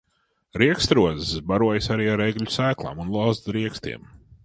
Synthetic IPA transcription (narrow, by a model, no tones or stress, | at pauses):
ɾiɛkst̪ɾuɔzsbaɾuɔjɪsaɾiːaɾeɡlʎʲusæːklˠa̰ːmunlˠaːzɾiɛkst̪ḭɛm